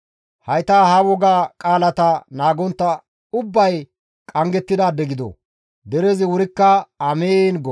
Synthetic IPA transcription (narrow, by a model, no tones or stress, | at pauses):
hɐjt̪aːhɐwɔɡaːkʼaːlɐt̪ɐnaːɡɔnt̪ːɐ | ʊbːɐj | kʼɐŋɡɛt̪ːɪd̪aːd̪ːɛɡɪd̪ɔ̰ | d̪ɛɾezɪwʊɾɪkːɐɐmeːnɡɔ